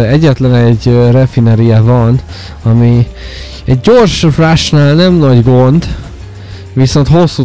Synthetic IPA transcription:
ɛɟːɛt̪lɛnɛɟrɛfinɛɾijɛvɒn | ɒmi | ɛɟɟo̞rʃraʃnaːlnɛmnɒɟɡo̞nd̪ | viso̞nt̪ho̞sːu

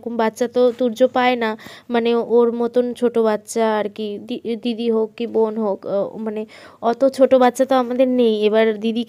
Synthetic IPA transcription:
kumbatːʃat̪ot̪uɾd͡ʑopaenamaneoɾmɔt̪ont͡ɕʰoʈobat̪ːʃaːɾkiid̪id̪ʱiɦokːibonɦokmaneɔt̪ot͡ɕʰoʈobatːʃat̪oamad̪eɾnejeβaɾd̪id̪ʱik

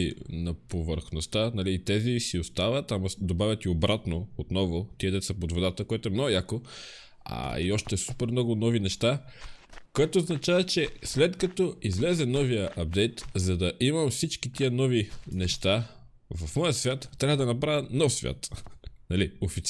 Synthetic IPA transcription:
inɐpovəɾxnost̪anɐlit̪ɛzisiost̪avɐt̪amɐd̪obavʲɐt̪iobɾat̪noot̪nɔvʊt̪iəd̪ɛt̪sɐpod̪vod̪at̪əkoɛt̪oɛmnɔɡʊjako | a̰iɔʃt̪ɛsupɛɾmnɔɡʊnɔvinɛʃt̪a | koɛt̪oːznɐt͡ʃavɐt͡ʃɛslɛt̪kɐt̪ɔizlɛzɛnɔvijəʔɐb̚d̪ɛjt̪zɐd̪ɐʔimɐmfsit͡ʃkit̪iənɔvinɛʃt̪a | vɐfmɔjəsvʲjat̪ːɾavɐd̪ɐnɐpɾavənɔfsvʲja̰t̪nɐliofit̪s

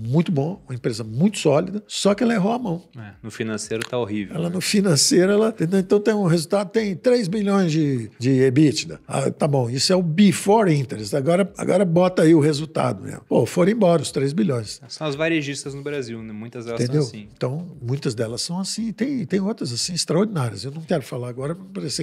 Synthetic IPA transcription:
mũj̃t̪ʊbõɐũmɐẽmpɾezɐmũj̃t̪ʊ̥sɔlid̪ɐsɔkɪɛlɐeɦowamɐ̃w̃ɛnʊfinɐ̃sejɾʊt̪aoɦiveɛ̰lɐnʊfinɐ̃sejɾʊɛlɐt̪ẽnd̪ewẽnt̪ɐ̃w̃t̪ẽj̃ʊɦezut̪ad̪ʊt̪ẽj̃t̪ɾejzbiʎõj̃zd͡ʒɪd͡ʒɪebit͡ʃɪd̪ɐ̰a̰t̪abõw̃isʊɛʊbifɔɾĩnt̪eɾest̪aɡɔɾɐa̰ɡɔ̰ɾɐbɔt̪ɐaiʊɦezut̪a̰d̪ʊmḛmʊpofoɾ̃ẽbɔɾɐʊst̪ɾejzbilʎõj̃ssɐ̃w̃ɐzvaɾeʒist̪ɐznʊbɾaziwnɛmũj̃t̪ɐzd̪ɛlɐt̪ẽnd̪ew̃ẽt̪ɐ̃w̃mũj̃t̪ɐzd̪ɛlɐsːɐ̃w̃asĩɪt̪ẽj̃t̪ẽj̃owt̪ɾɐzasĩist̪ɾɐoɾd͡ʒinaɾiɐsewnɐ̃w̃kɛɾʊfalaɾaɡɔɾɐppaɾese

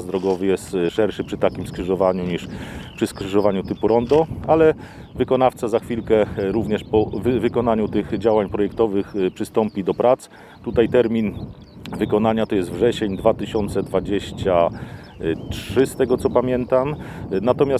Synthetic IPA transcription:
zd̪ɾɔɡɔvɘjɛst̪ʂɛɾʂɘpʂɘt̪akʲimskʂɘʐɔvaɲuɲiʂpʂɘskʂɘʐɔvaɲut̪ɘpuɾɔnd̪ɔalɛ | vɘkɔnaft̪sazaxfʲilkɛɾuvɲɛʂpɔvvɘkɔnaɲut̪ɘɣd͡ʑawaɲpɾɔjɛkt̪ɔvɘxpʂɘst̪ɔmpʲid̪ɔpɾat̪s | t̪ut̪ajt̪ɛɾmʲin | vɘkɔnaɲat̪ɔjɛst̪vʐɛɕeɲd̪vat̪ɘɕɔnt̪sɛd̪vad͡ʑeɕt͡ɕa | tʂɘst̪ɛɡɔt̪sɔpamʲjɛnt̪amnat̪ɔmʲjas

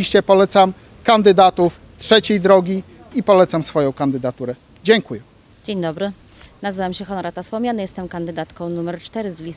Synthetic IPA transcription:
iɕt͡ɕɛpɔlɛt̪sam | kand̪ɘd̪at̪uf | tʂɛt͡ɕejd̪ɾɔɡʲi | ipɔlɛt̪samsfɔjɔ̃w̃kand̪ɘd̪at̪uɾɛ | d͡ʑɛŋkujɛ | d͡ʑeɲd̪ɔbɾɘ | nazɘvamɕɛxɔnɔɾat̪afspɔmɲanɘjɛst̪ɛmkand̪ɘd̪at̪kɔ̃w̃numɛɾt͡ʂt̪ɛɾɘzlʲis

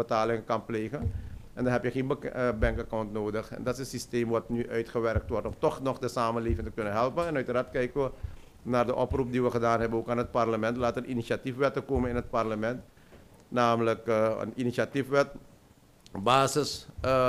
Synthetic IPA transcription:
bətaːlɪŋəkanpleːɣən | ɛndaɦɛpjəxeːnbəbɛŋkakawntnoːdəxɛ̰ndɔtɪsənsisteːmʋɔtnyʔœɥtχəʋɛrk̚tʋɔrtɔmtɔxnɔxdəsaːmənleːvɪŋtəkønənɦɛlˠpənɛnœɥtərartkɛjkəʋə | naːrdəʔɔprup̚diʋəxədaːnɦɛbənoːkaːnɦət̚parləmɛntlaːtərinisatifʋɛtəkoːmənɪnɦət̚parləmɛnt | naːmələkə̰ninisatifʋɛt | baːsəs

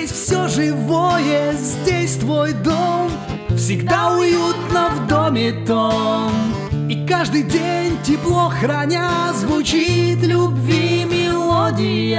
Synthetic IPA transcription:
esʲfsʲoʐɨvojəzʲdʲesʲt̪vojd̪om | fsʲɪɡd̪aʊjut̪nəvd̪omʲɪt̪omm | ikaʐd̪ɨjdʲenʲtʲɪplˠoxɾɐnʲazvʊt͡ɕit̪lʲʊbvʲimʲɪlˠodʲɪj

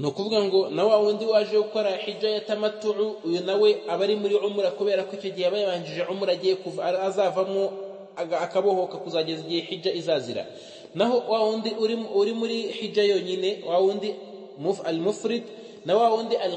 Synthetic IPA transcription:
nokuvuɡaŋɡo̞nawawuːndiwaːʒekuko̞ɾaħid͡ʒajatamatuʕuːjunawe̞aβaɾimuɾiʕumuɾakuβe̞ːɾakicoɟiheaβajaβaːɲɟiʒeʕumuɾaɟijekuvːzaːvamoː | kaβo̞ho̞kakuzaːɟeziɟiheħiɟaizaːziɾa̰ | naɦo̞wawuːndiʔuɾiuɾimuɾihid͡ʒajo̞ɲine̞wawuːndi | mualmufɾid | nawawuːndiʔal

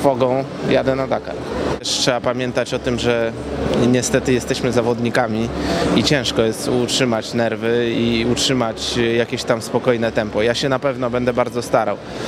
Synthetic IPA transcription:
fɔɡɔ̃w̃ | jad̪ɛnad̪aka̰ɾɛʂtʂɛbapamʲjɛnt̪at͡ɕɔt̪ɘmʐɛ | ɲɛst̪ɛt̪ɘjɛst̪ɛɕmɘzavɔd̪ɲikamʲiit͡ɕɛ̃w̃ʂkɔjɛst̪utʂɘmat͡ɕnɛɾvɘiutʂɘmat͡ɕjakʲeɕt̪amspɔkɔjnɛt̪ɛmpɔjaɕɛnapɛvnɔbɛnd̪ɛbaɾd̪zɔst̪aɾaw

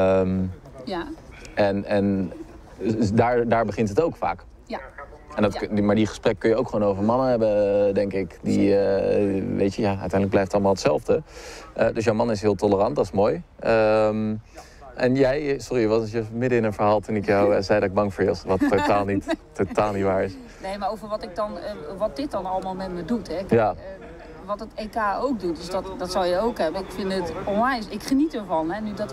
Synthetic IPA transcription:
əm | ɛnɛn | daːɹdaːɹbəχɪntɦətowkfa̰ːk | ɛndɔtmaɹdiχə̥sprɛk̚ːkɵnjəowkχʋoːnowvəɹmɑnəɦɛbədɛŋkɪkdiə | ʋḛjtjəjaœ̰ɥtɛjndləɡ̚blɛjftɑlˠəmaːlˠətsɛlˠvdəʔdøs̬jowmɑnɪs̬ɦɪəlˠtɔlərɑnt̚dɑtɪ̥smoːj | ʔəm | ʔɛnjɛjsɔrijəʋɔjəmɪdəɪnənfəɹɦaːlˠtunɪkjɔwəzɛjdɔtɪɡ̚bɑŋfoːɹjɪsʋɔtːotaːlˠnitː | otaːlˠnitʋaːɹɪs | nejmaowvərʋɔtɪk̚dɔnʋɔt̚dɪt̚dɔnɔlˠəmaːlˠmɛtmədutʰɛɪkja | ʋɔtətekaːowk̚dut̚døsdɔtdɔtsɔlˠjəowkɦɛbəɪkfɪndətɔnlɛjnsɪkχənitəɹvɔnɦɛnydɔt

